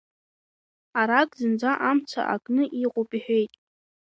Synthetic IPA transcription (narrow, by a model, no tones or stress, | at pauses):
aɾakʼzɨnd͡zʷaʔamt͡sʷʰa̰ʔa̰kʼnɨʔiqʼʊpʼiħᶣe̞jtʼ